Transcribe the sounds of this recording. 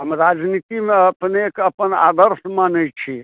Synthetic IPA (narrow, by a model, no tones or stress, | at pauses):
ɦəmɾad͡ʒnit̪imeəpnekəpəna̰d̪əɾsmanəjt͡ʃʰi